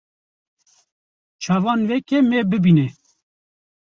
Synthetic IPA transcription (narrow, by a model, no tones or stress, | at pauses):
t͡ʃʰɑːvɑːnwɛkɛmebɨbinɛ